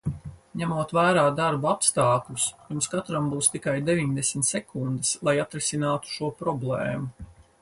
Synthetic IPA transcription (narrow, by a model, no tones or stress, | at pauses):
ɲæmuɔt̪væːɾaːd̪aɾbuapst̪aːklʲusunskat̪ɾambuːst̪ikajd̪evʲiɲd̪esmʲt̪sɛkund̪ɨslˠajat̪ɾɛsinaːt̪u̥ʃuɔpɾɔblˠɛːmu